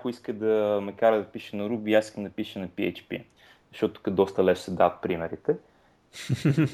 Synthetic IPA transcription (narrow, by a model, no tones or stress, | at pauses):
kʊiskəd̪ɐmɐkaɾəd̪ɐpiʃənɐɾubiːasiskəmd̪ɐpiʃənɐpiɛ̰t͡ʃpḭ | zɐʃɔt̪ʊ̥kəd̪ɔst̪ɐlɛʃsɛd̪avət̪̚pɾimɛɾit̪ɛ